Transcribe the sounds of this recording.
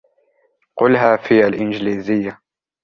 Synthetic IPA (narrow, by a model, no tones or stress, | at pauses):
qʊlɦaːfiːalʔɪnd͡ʒliːzɪjːa